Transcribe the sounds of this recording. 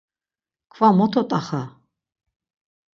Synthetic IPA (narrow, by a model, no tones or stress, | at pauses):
kʰvamɔt̪ʰɔt̪ʼaχa